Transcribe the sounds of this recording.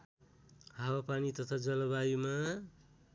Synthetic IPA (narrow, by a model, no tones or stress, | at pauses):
ɦawapanit̪ʌt̪ʰad͡zʌlʌβajima